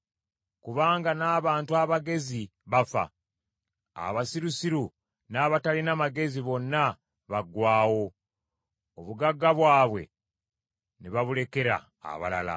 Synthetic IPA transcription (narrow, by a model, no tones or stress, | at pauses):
kuβaːŋɡanaːβaːntuaβaɡe̞ziβafa̰ | a̰βasiɾusiɾu | naβatalinamaɡe̞ziβo̞nːa | βaɡwaːwo̞ | oβuɡaɡːaβwaːβwe̞̰ | neβaβule̞ke̞ɾa̰ːβa̰la̰la̰